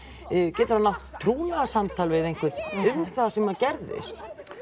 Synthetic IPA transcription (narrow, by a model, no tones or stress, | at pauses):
cɛːt̪ʏɾanawht̪ʰːɾuːnasamt̪ʰaːlvɪðejŋ̥kʰvɪt̪ʏmθaðsɛmacɛɾðɪ̰st̪